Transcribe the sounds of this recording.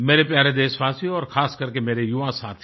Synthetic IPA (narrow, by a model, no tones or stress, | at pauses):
meːɾepjaːɾed̪eːsʋaːsiɔːɾxʰaːskɐɾkemeːɾejʊʋãsaːt̪ʰ